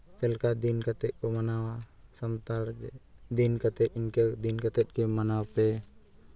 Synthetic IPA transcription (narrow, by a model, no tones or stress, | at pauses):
t̪ɛlkad̪inkat̪ɛc̚ˀkɔmanawasamt̪aɾd͡ʒɛd̪inkat̪ɛc̪̚ˀinkɛd̪inkat̪ɛt̪̚ˀkɛmanawpɛ